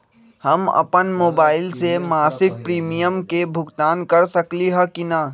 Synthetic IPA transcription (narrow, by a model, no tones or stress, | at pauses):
hɐmɐ̰pənmoːbaːɪlsemaːsɪk̚pɾiːmijəmkebʱʊɡt̪aːnkɐɾsɐkliɦɐkinaː